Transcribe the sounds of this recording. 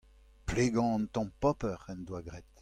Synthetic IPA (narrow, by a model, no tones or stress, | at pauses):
pleɡɑ̃ɑ̃nt̪ɑ̃pɔpəʁɛnd̪waɡʁɛt̪